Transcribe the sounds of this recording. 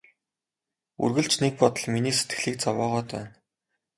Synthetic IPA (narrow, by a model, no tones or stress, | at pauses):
ṵrɣɘ̆ɮt͡ɕnek̚pɔt̪ɞ̆ɮminiːse̥t̪ɡɘ̆ɮiːk̚t͡sawɔːʁɔːt̪ʰœ̰ːn